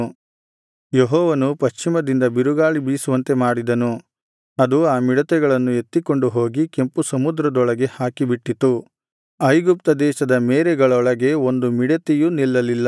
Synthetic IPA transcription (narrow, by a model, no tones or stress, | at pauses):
jeɦɔːʋɐnupɐʃt͡ʃimɐd̪ind̪ɐbiɾuɡaːɭibiːsuʋɐnt̪e̞maːɽid̪ɐnu | ɐd̪uaːmiɽɐt̪ɛɡɐɭɐnːue̞t̪ːiko̞ɳɖuɦo̞ːɡike̞mpusɐmud̪ɾɐd̪ɔɭɐɡe̞haːkibiʈːit̪ːu | ɐjɡup̚t̪ɐd̪ɛːʃɐd̪ɐmɛːɾɛɡɐɭɔɭɐɡe̞o̞nd̪umiɽɐt̪ejunilːɐlilːɐ